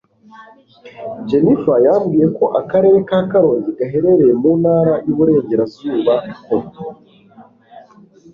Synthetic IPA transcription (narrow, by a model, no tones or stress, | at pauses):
d͡ʒe̞nifajaːmɡije̞ko̞ʔakaɾe̞ːɾe̞kaːkaɾoːɲɟiɡaɦe̞ɾe̞ɾejemuːnhaːɾajuβuɾe̞ːɲɟe̞ɾazuːβako